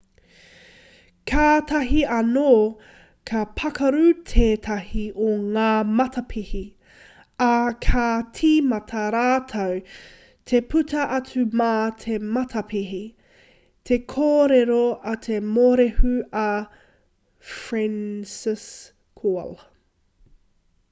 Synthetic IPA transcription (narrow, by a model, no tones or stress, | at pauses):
kʰaːtɐɦiɐnoː | kʰɐpʰɐkɐɾutʰeːtʰɐhiʔoŋaːmɐtʰɐpʰihi | ɐkʰatʰiːmɐtʰɐɾaːtʰɐw | tʰepʰʉtʰɐʔɐt͡sumatʰemɐtʰɐpiɦi | tʰe̞kʰoːɾeɾoɐt̪ʰemoɾehuɐ | fɹɛnsɪs | kʰol